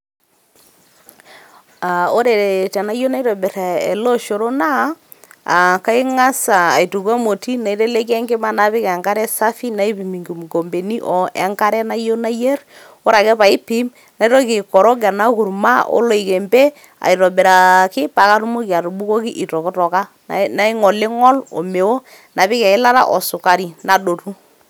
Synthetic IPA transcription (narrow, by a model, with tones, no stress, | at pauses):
a˨o˦ɾe˨ɾe˨tɛ˨na˦jo˦na˦i˦ɾɔ˨bɛ˨ɾa˨ḛ˨lo˦ʃo˨ɾo˦na˦ | a̰˨ka˦ɪ˦ŋa˦saː˨i˨tu˨kwa˦mo˨ti˦na˨i˨ɾe˦le˦kɛ˦ŋɡe˦ma˦na˦βɪ˦kɛ˨ŋɡa˦ɾɛ˦sa˦fi˦na˦i˦pi˨mi˨ŋɡi˨m˨ɡo˨mbe˨ni˦ʔɔ˨ʔɛ˨˦ŋka˦ɾɛ˦na˦jo˦na˦je˦ɾ | o˦ɾa˨kɛ˦pa˨ɪ˦pi˦m | na˨˦i˦ɾɔ˦kɪ˨kɔ˨ɾɔ˦ɡa˨na˦kʊ˨ɾma˦ʔo̰˦lɔ˦ɪ˨ke˨mbɛ˦ | a̰˨i˨ɾɔ˨bɛ˨ɾa˨kɪ˦pa˨ka˦ɾʊ˦mo˦ki˨a˨ɾu˨bu˦ko˦kɪ˦ʔɪ˨tɔ˨kɪ˦tɔ˨ka˦ | na˦ɪ˦ŋɔ˨lɪ˦ŋɔ˦lɔ̰˨me˨wo˦ | na˨pɪ˦kɛ˨ɪ˦la˦ɾa̰˦ʔɔ˨sʊ˨ka˨ɾi˨na˨do˨tu˦